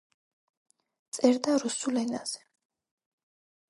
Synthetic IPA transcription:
t̪sʼɛɾd̪aɾusulɛna̰z̥ɛ̥

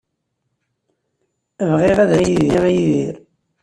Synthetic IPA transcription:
vʁɪʁæðæjiðiʁæjiðiɾ

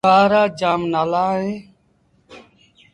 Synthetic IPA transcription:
aːɾaːd͡ʒaːmnaːlaːɦẽː

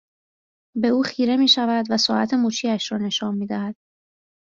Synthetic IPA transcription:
be̞uːxiːɾe̞miːʃævæd̪væsɒːʔæ̰t̪ʰe̞muːt͡ʃʰiːæʃɾɒːne̞ʃɒːnmiːd̪æhæd̪̥

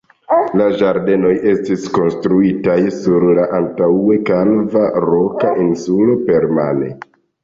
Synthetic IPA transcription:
laʒaɾde̞no̞jʔe̞stisko̞nstɾuitajsuɾlaʔantae̞kalvaɾo̞kaʔinsulo̞pe̞ɾma̰nḛ

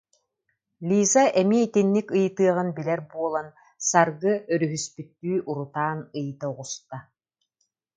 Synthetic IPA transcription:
lʲiːzaʔɛmiːit̪inːikɯjt̪ɯɐʁɯnbilɛɾbuɔlˠan | saɾɡɯœɾyɦyspyt̪ːyːʔuɾut̪aːnɯjɯt̪auʁust̪a

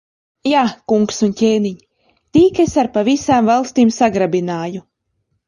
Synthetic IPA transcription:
jaːkuŋksuncʲeːniɲi | t̪iːkesaɾpavisaːmvalˠst̪iːmsaɡɾabinaːju

